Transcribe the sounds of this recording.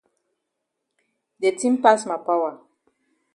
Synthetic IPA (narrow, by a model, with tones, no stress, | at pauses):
de˨tĩ˦mpa˦sma˨pa˦wa˨